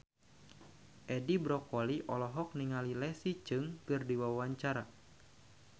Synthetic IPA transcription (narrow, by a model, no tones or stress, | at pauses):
ʔɛdibɾɔkɔliʔɔlɔɦɔk̚niŋalilɛsit͡ʃɨŋkɨrdiwawaɲt͡ʃaɾa